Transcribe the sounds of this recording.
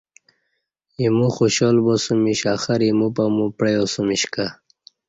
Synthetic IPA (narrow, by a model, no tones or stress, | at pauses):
jimuxoɕɔlbosumiɕaxaɾimupamupɽejosumiɕka